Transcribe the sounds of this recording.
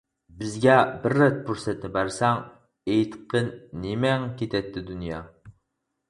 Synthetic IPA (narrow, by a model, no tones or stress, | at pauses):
bɪzɡʲɛbɪɾːɛt̪̚buɾsɛt̪nɪbæɾsɛŋ | ejt̪qʰənːemɛŋkʲet̪ʰɛt̪ːɪd̪unjɑː